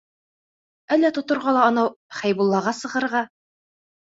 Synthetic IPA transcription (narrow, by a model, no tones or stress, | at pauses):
ælːæt̪ŏt̪ŏɾʁɑlˠɑɒ̆nɑwχæjbulˠːɑʁɑsɤ̆ʁɤ̆ɾʁɑ